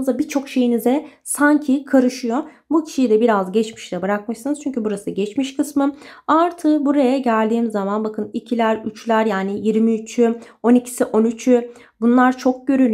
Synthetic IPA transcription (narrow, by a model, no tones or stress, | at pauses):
ɯzabit͡ʃʰo̞kʃe̞jinizɛsaɲcʰikʰaɾɯʃɯjo̞ | bucʰi̥ʃijid̪ɛbiɾazɟɛt͡ʃmi̥ʃlʲɛbɯɾak̚mɯʃsɯnɯz̥t͡ʃʰyɲcʰybuɾasɯɟɛt͡ʃmiʃkʰɯsmɯaɾt̪ʰɯbuɾajaɟælʲd̪iːmzːamanbakʰɯnicʰilʲæɾyt͡ʃlʲæɾjaːnijiɾmiyt͡ʃʰy | o̞nicʰi̥siʔo̞nyt͡ʃʰy | bunlˠaɾt͡ʃʰo̞k̚ɟø̞ɾyn